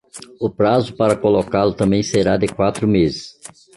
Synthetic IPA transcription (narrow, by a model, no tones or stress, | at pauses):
ʊpɾazʊpaɾɐkolokalʊt̪ɐ̃mbẽj̃seɾad̪ɪkwat̪ɾʊmezɪs